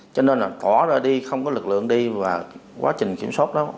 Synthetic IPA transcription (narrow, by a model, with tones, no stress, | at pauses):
t͡ɕɔ˧ne˧nlaː˨˩t̪waː˧˩zaː˨˩ɗi˧xə˧wŋ͡mkɔ˨˦lɨ˨˩k̚lɨ̰˧˨əŋɗi˧vaː˨˩kwa̰ː˨˦t͡ɕï˨˩ŋ̟kḭ˧˩əmswaː˦˥t̚ɗɔ˨˦